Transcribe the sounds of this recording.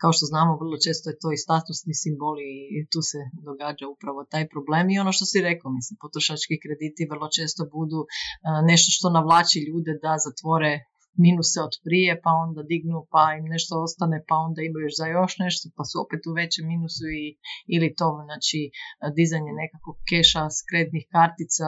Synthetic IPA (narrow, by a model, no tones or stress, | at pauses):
kaoʃt̪o̞znaːmoʋr̩lˠo̞t͡ʃe̞ːst̪ojet̪o̞ist̪at̪usnisimbolit̪uːsed̪o̞ɡaːd͡ʒaupɾaʋo̞t̪aːjpɾo̞ble̞ːmio̞no̞ʃt̪o̞siɾekomislimpot̪ɾoʃat͡ʃkikɾe̞d̪iːt̪iʋər̩lˠo̞t͡ʃeːst̪o̞bud̪une̞ʃt̪o̞ʃt̪o̞naʋlˠaːt͡ʃiʎuːd̪ed̪azat̪ʋo̞ɾe | minuseod̪pɾije̞pao̞nd̪ad̪iɡnupaimne̞ʃt̪oo̞st̪anepao̞nd̪aimajoʃzajo̞ʃne̞ʃt̪opasuo̞̰pet̪uʋe̞t͡ɕeminusuiilit̪omnaːt͡ʃid̪izaɲene̞kakoɡ̚keʃaskɾet̪nixkaɾt̪it̪sa